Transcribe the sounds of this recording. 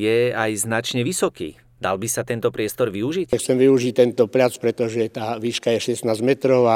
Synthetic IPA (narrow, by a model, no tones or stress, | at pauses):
jɛajznat͡ʃɲɛʋisɔkḭː | d̪a̰lbisat̪ɛnt̪ɔpɾɪɛst̪ɔɾʋiuʒicxt͡sɛmʋiuʒic̚t̪ɛnt̪ɔpʎat͡spɾɛt̪ɔʒɛt̪aːʋiːʃkajɛʃɛsnaːzmɛt̪ɾɔʊa